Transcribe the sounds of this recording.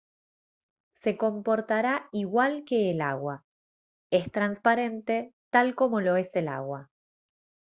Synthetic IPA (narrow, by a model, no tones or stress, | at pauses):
se̞ko̞mpo̞ɾt̪aɾaiɣwalke̞ːla̰ɣwa | e̞st̪ɾanspaɾe̞nt̪e̞t̪alko̞mo̞lo̞e̞se̞la̰ɣwa